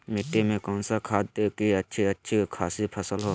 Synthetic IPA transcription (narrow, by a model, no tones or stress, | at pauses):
mɪʈːemẽkɔʊnsakʰaːd̪ekiɐtːʃʰiɐtːʃʰikʰaːsipʰəsəlɦo